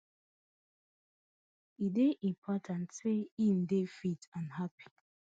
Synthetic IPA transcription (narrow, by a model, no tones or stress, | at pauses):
ideʔĩmpʰɔtʰãntseĩndefitãnhapʰi̥